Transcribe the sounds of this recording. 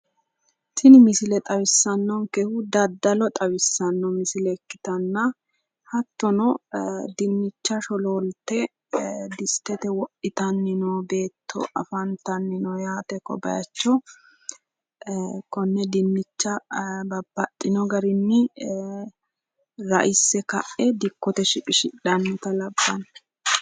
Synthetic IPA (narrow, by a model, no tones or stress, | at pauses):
sɪnɪmɪsɪlɛt̪ʼɐwɪsːɐnːɔŋkɛhʊd̪ɐd̪ːɐlɔt̪ʼɐwɪsːɐnːɔmɪsɪlɛkːɪt̪ɐnːɐ | hɐt̪ːɔnɔd̪ɪnːɪt͡ʃːɐʃɔloːlt̪ːɛ | d̪ɪst̪ɛt̪ɛwɔʔɪt̪ɐnːɪnɔbe̞ːt̪ʰːɔ̰ʔɐ̰fɐnt̪ɐnːɪnɔjaːt̪ɛkɔ̰bɐ̰jɐ̰t͡ʃːɔ | kɔnːɛd̪ɪnːɪt͡ʃːɐbɐbːɐt̪ʼːɪnɔɡɐɾɪnːɪ | ɾɐʔɪsːɛkɐʔɛd̪ɪkːɔt̪ɛʃɪpʼɪʃɪᶑɐnːt̪ɐlɐbːɐn